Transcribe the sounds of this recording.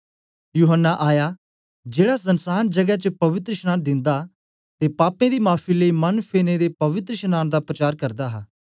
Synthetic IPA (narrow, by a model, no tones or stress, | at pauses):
juːɦənːaʔaːjaː | d͡ʒeːɽaːsənsaːnd͡ʒəɡɛt͡ʃəpɐʋɪt̪ɾəʃnãːnd̪ɪ̃nd̪a | t̪eːpaːpẽd̪iːmaːpʰiləiːmɐnpʰeːned̪eːpɐʋɪt̪ɾʃnaːnd̪aːpɾət͡ʃaːɾkəɾd̪aːɦaː